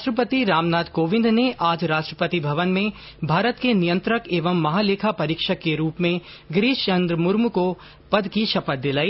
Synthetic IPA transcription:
aːʃʈɾəp̬ət̪iɾaːmnaːd̪koːʋɪ̃nd̪neʔaːd͡ʒɾaːʃʈɾəpət̪ibʱɐʋənmẽ | bʱaːɾət̪kenijə̃nt̪ɾəkeːʋəmːɐɦaːleːkʰapɐɾiːkʃəkːeɾuːpmẽ | ɡɾiːʃt͡ʃɐ̃nd̪ɾəmʊɾmko | pɐd̪kiʃɐpət̪̚d̪ɪlaːiː

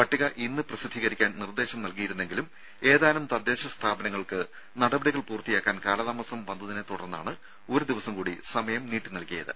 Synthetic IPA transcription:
pɐʈːiɣɐʔinːɨprɐsid̪ʱːiːɣɐɾikʲːaːnnird̪e̞ːɕɐmnɐlkijiɾunːe̞ŋɡilum | e̞ːðaːlɐmt̪ɐd̪e̞ːɕɐst̪ʰaːbɐnɐŋːɐɭkɨ | nɐɽɐbɐɽiɣɐɭpuːrt̪ːijaːkːaːnkaːlɐðaːmɐsɐmʋɐnd̪uðinet̪uɽɐ̰rnːa̰ːɳɨ | o̞ɾud̪iʋɐsɐmkuːɽisɐmɐjɐmniːʈːɨnɐlkijɐ̰ðɨ̰

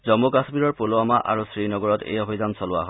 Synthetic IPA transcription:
zɔmːokasmiɹɔɹpoloamaʔa̰ɹusɹinɔɡɔɹɔtḛjɔɦɔjzamsɔlʊwa̰ɦɔ

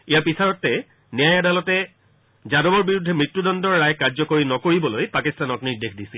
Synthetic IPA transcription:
ijapisaɹɔtːɛ | nijajadalɔtɛ | zadobɔɹbiɹudʱːɛmɹitːudɔndɔɹːajkaɹzɔkoɹinɔkoɹibɔlojpakistanɔtniɹdexʰdisil

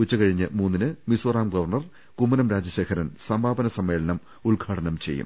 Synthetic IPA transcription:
ut͡ɕːɐkɐɻiɲːɨmuːnːinɨmiswɐraːmɡɐʋɐrɳɐr | kumːɐnɐmɾaːd͡ʑɐɕe̞ːkʰɐɾɐnsɐmbʱaːbɐnɐsɐmːe̞ːɭɐnɐm | uɭɡʱaːʈɐnɐmt͡ɕe̞̰jːṵm

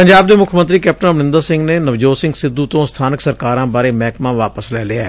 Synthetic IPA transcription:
pəɲd͡ʒaːbd̪eːmʊkʰmə̃nt̪ɾiːkɛːp̚ʈənmənɪ̃nd̪əɾsɪ̃ŋɡneːnəʋd͡ʒoːsɪ̃ŋɡsɪd̪uːt̪õːst̪ʰaːnəksəɾkaːɾãːbaːɾeːmɛːkmãːʋaːpəslɛːlɪaɛ

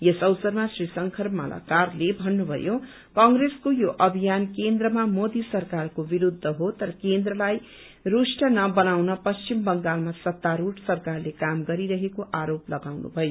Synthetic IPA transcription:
jesʌwsʌrmasrisʌŋkʰʌrma̰lʔa̰karlebʱʌnːubʱʌ̰jo | kʌŋɡreskojoʔʌbʱijankend̪rʌmamod̪isʌrkarkobiɾud̪ʱːʌɦot̪ʌɾʌkend̪rʌlaj | rusʈʌnʌbʌnawnʌpʌst͡ʃimbʌŋɡalmasʌt̪ːaɾuʈsʌrkarlekamɡʌɾiɾʌɦekoʔaɾoplʌɡawnṵbʱʌjo

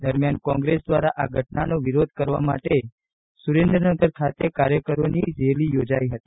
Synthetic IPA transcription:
d̪əɾmjankɔ̃ŋɡɾesd̪ʋaɾaʔaɡʱəʈnanoʋiɾod̪̚ʱkəɾʋa̰ma̰ʈe | suɾend̪ɾənəɡəɾkʰat̪ekaɾjəkəɾonid͡ʒelijod͡ʒaiɦət̪i

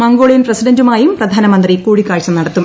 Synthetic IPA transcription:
mɐŋɡoːɭijɐnprɐsidɐndumaːjumprɐd̪ʱaːnɐmɐnd̪rikuːɻikːaːɻt͡ɕːɐmnɐɽɐt̪ːum

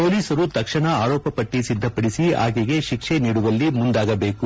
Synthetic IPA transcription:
po̞ːliːsɐɾut̪ɐkʂɐɳɐaːɾɔːpɐpɐʈːisid̪ʱːɐpɐɽisia̰ːɡeɡe̞ʃikʂeniːɽuʋɐlːimund̪aːɡɐbe̞ːku

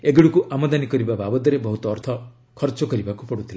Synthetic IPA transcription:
eɡiɽukuʔamɔd̪anikɔɾibababɔd̪ɔɾebɔɦut̪ɔːɾt̪ʰɔ | kʰɔɾt͡ʃɔkɔɾibakupɔɽut̪ʰila

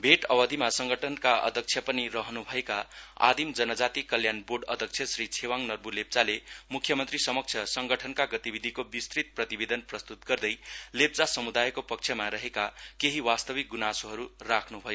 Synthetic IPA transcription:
bʱeʈʌbʌd̪ʱimasʌŋɡʌʈʰʌnkaʌ̰d̪ʱʌk̚t͡sʰjʌpʌnirʌɦnubʱʌekaa̰d̪imd͡zʌnʌd͡zat̪ikʌljanborɖʌd̪ʱʌk̚t͡sʰjʌsrit͡sʰewaŋnʌrbulep̚t͡salemukʰjʌmʌnt̪risʌmʌk̚t͡sʰjʌsʌŋɡʌʈʰʌnkaɡʌt̪ibid̪ʱikobist̪rit̪̚prʌt̪ibed̪ʌnprʌst̪ut̪̚ɡʌrd̪ʌjlep̚t͡sasʌmud̪ajkopʌk̚t͡sʰjʌmaɾʌɦekakeɦiwast̪ʌbik̚ɡunasoɦʌɾurakʰnubʱʌjo

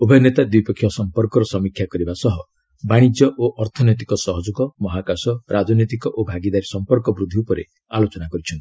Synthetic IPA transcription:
obʱɔnet̪ad̪wipɔkʰjɔsɔmpɔɾkɔɾɔsɔmikʰːjakɔɾibasɔɦɔ | baɽ̃id͡ʒjɔʔoʔɔɾt̪ʰɔnɔjt̪̬ikɔsɔɦɔd͡ʒuɡɔmɔɦakasɔɾad͡ʒɔnɔt̪̬ikɔʔobʱaɡid̪aɾisɔmpɔɾkɔbɾud̪ʱiupɔɾḛ | alot͡ʃɔnakɔɾit͡ʃʰɔnt̪i

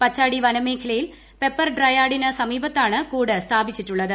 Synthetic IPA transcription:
pɐt͡ɕːaːɽiʋɐnɐme̞ːkʰɐlɐjil | pe̞pːɐrɖrɐjaːɽinɐsɐmiːbɐt̪ːaːɳɨkuːɽɨst̪ʰaːbit͡ɕːitːuɭːɐðɨ

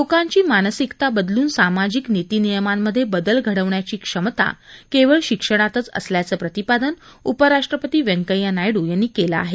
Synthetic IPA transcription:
lokãɲt͡ɕiːmanəsikt̪abəd̪luːnsamad͡ʑiknit̪iːnijəmamːəd̪ʱːjebəd̪əlɡʱəɽəʋɳjat͡ɕiːkʂəmt̪a̰keʋəɭɕikʂəɽ̃at̪ət͡sə̰sljat͡səːpɾət̪ipad̪ənupəɾaʂʈɾəpət̪iːʋə̃ŋkəjanajɽuːjanːiːkela̰ːɦe

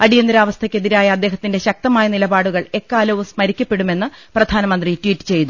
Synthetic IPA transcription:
ɐɽijɐnd̪ɐɾaːʋɐst̪ʰɐkʲːe̞ðiɾaːjɐɐd̪ːe̞ːɦɐt̪ːinde̞ɕɐk̚t̪ɐmaːjɐnilɐbaːɽuɣɐɭe̞kːaːlɐʋumsmɐɾikʲːɐpːe̞ɽume̞nːɨprɐd̪ʱaːnɐmɐnd̪ritwiːtːɨ̥t͡ɕe̞jt̪u

